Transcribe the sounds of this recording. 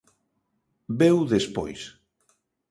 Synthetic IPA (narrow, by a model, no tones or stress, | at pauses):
bewðespo̰js